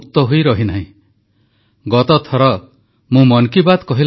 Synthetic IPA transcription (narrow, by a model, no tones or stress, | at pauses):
kt̪ɔɦujɾɔɦinaɦĩ | ɡɔt̪ɔt̪ʰɔɾɔ | mũmɔŋkibad̪kɔɦil